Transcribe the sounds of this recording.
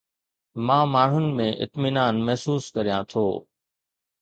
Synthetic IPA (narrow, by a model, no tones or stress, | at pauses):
mãːmaːɳ̤ʊnɪ̆mẽʔɪ̰t̪mɪnaːnmɐɦsuːskɐɾijãːt̪ʰo̰ː